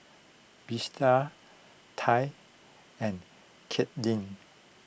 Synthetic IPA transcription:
b̥istʰa | tʰaj | ɛ̃n | kʰɛt̚dĩn

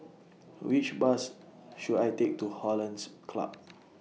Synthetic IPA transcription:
wit͡ʃbasʃudajtek̚tuhɔlãnskʰla̰p̚

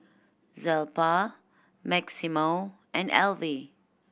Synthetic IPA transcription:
zɛlpa | mæksimo | ʔɛ̃nɛ̰lˠvi

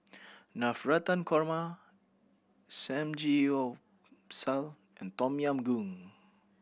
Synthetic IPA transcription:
nafɹat̪ãnkʰɔɹma | sɛ̃md͡ʒio | sal | ɛ̃nt̪ɔmjãmɡuŋ

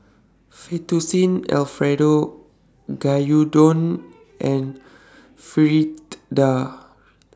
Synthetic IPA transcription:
fet̪usĩnɛ̰lfɹɛdo | ɡajudɔ̃n | ʔɛ̃n | fiɹit̪da

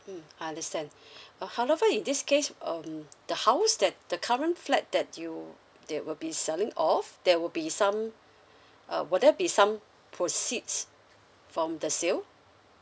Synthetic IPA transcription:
ajãndəstɛ̃nʌhawɛvəĩndɪskʰesʌmd̥əhaʊsdɛt̚d̥əkʰaɹə̃nflɛt̚dɛt̚ju | dɛwɪlbisɛlɪ̃ŋɔfdɛwɪlbisãm | ʔʌ̰wɔdɛbisãm | pʰɹosits | fɹɔ̃mdəsil

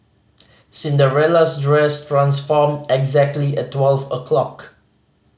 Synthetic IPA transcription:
sĩndəɹɛlasdɹɛstɹãnsfɔmdɛɡzɛk̚tliɛttːwɛlvəkʰlɔk

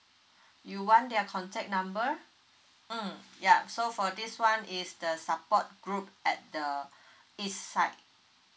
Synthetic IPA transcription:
juwãndɛkʰɔ̃ntʰɛk̚nãmbə | jasofɔdiswãnisdəsapɔt̚ɡ̥ɹup̚ɛt̚də | isːaɪt̚

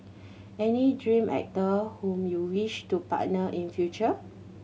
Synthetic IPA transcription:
ɛnidɹĩmʔɛ̰k̚təhũmjuwiʃtupa̰tnəʔĩnfjut͡ʃə

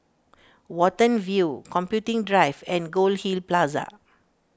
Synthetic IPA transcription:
wɔtə̃nvjukɔ̃mpjutĩŋdɹajvɛ̃nɡolhilplaza̰

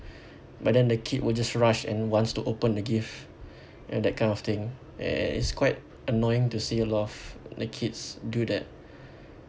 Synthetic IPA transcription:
bat̚dɛ̃ndəkʰit̚wʔɪld͡ʒasɹaʃɛ̰̃nwɔ̃nstuʔopə̃ndəɡif | odɛt̚kʰãɪ̃ndɔft̪ɪ̃ŋ̰̃ | ḭtskʰwaɪt | ənɔɪ̃ŋtuseəlɔtɔfdəkʰitsdudɛt̚

